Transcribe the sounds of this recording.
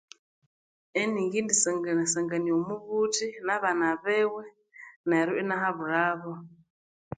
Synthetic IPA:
ɛniŋɡindisɛŋɡanasaŋɡaniɔmuβutʰinaβanaβɛwɛ | naɾuʔɛnaɦaβuɾaβɔ

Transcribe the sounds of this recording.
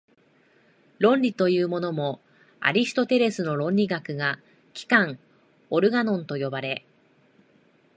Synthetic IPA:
ɾõ̞ɲʲɾʲit̪o̞jɯ̟ːmo̞no̞mo̞ | a̰ɾʲisɨ̥t̪o̞t̪e̞ɾe̞sɨno̞ɾõ̞ɲʲɾʲiɡakɯ̟ɡa | kʲi̥kãŋ | o̞ɾɯ̟ɡanõ̞nt̪o̞jo̞baɾe̞

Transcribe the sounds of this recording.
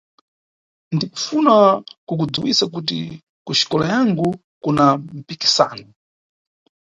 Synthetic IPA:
ndiku̥funakuk̬ud͡zuwisak̬ut̬ḭ | kuʃi̥kɔlajaŋɡu | kunam̩piki̥sa̰ːnɔ

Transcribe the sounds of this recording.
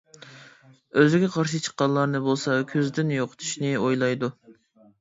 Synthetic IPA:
øzɪɡʲɛqʰɑɾʃit͡ʃʰə̥qːɑnlˠɑɾnɨbolˠsɑkʲʰøzd̪ɪnjoqʰə̥t̪ʰu̥ʃnɨojlˠɑjd̪u

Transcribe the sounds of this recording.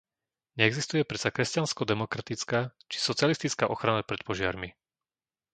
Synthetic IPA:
ɲɛɛɡzist̪ujɛpɾɛt͡sakɾɛscanskɔd̪ɛmɔkɾat̪it͡skaːt͡ʃi̥sɔt͡sɪalist̪it͡ska̰ʔɔxɾanapɾɛt̪pɔʒɪa̰ɾmi

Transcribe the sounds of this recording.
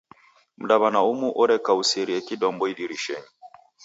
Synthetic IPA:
m̩ɗaβanaumuʔɔɾɛkausɛɾiɛkiɗɔmbɔiɗiɾiʃɛɲi

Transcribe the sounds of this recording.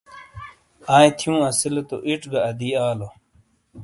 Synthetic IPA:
aːjt̪ʰjũːɐsilet̪o̰ʔiʈɡɐɐd̪iːaːlo

